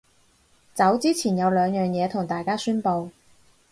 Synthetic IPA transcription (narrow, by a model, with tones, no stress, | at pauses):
t͡sɐ˨˥wt͡siː˥t͡sʰiː˨˩njɐ˨˧wlœː˨˧ŋjœː˨ŋjɛː˨˧t̪ʰʊ˨˩ŋt̪aː˨˩jkaː˥syː˥npo˧w